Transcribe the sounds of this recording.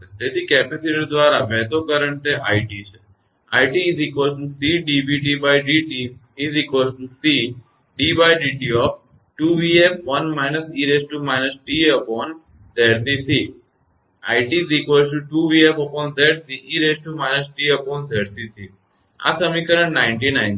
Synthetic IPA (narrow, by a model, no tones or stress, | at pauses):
t̪et̪ikɛpesiʈid̪ʋaɾaʋɛt̪okəɾəɳt̪eʔaiʈit͡ʃʰe | a̰iʈiːzikosʈusiɖibiʈibajɖiʈiː | zikosʈusi | ɖibajɖiʈiɔf | ʈuʋiefʋənmajnəsiɾesʈumanəd͡ʒʈiəpɔn | d̪eɖsisi | a̰jʈizɾikʋoɾsʈuʈuʋiefəpɔ̃nd̪eɖsiʔiɾesʈumaned͡ʒʈiəpɔnt̪eɖt̪isi | a̰səmikəɾəɳnãɪ̃ɳʈinãɪn